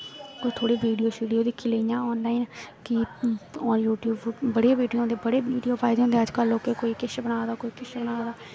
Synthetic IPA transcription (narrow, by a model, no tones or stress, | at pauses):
koːt̪ʰoːɽiːʋiːɖijoːʃiːɖijoːd̪ɪkʰːiːləijãːɔːnlaːiːnkɪɔːɾjuːʈjuːbbəɽeʋiːɖijoːõːnd̪ebəɽeːiːɖijoːpʰaːɪd̪eːõːnd̪eːəd͡ʒkəloːkekoːiːkɪʃbəɽ̃aːd̪aːkoːiːkɪʃbəɽ̃aːd̪aː